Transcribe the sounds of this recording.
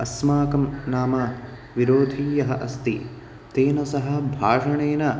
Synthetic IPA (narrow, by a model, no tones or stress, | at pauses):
ɐsmaːkɐmnaːma | ʋiɾoːd̪ʱiːjɐɦɐʔɐst̪i | t̪eːnɐsɐɦɐ̆bʱaːʂɐɳeːnɐ